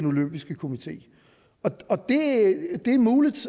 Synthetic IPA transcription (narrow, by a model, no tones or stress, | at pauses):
no̝løm̰b̥isɡ̥əkʰo̝mit͡sʰe̝̰ː | ɒ̽ɒ̽d̥e̝d̥e̝æmuːlid̥